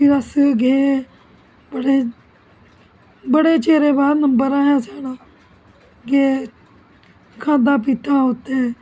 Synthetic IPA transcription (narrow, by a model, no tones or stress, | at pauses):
iɾəsɡeː | bəɽeː | bəɽeːt͡ʃeːɾẽːbaːɾnəmbəɾãːɦɛːsaːɽaː | ɡeː | kʰãːnd̪aːp̬it̪aːɦoːt̪eɛː